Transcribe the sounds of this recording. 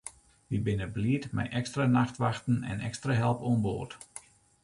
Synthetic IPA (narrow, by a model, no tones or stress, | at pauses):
ʋibɪnəbliətmɛ̰jʔɛkstranaxtʋaxtən̩ɛ̰nɛ̰kstraɦɛlˠpuənboːt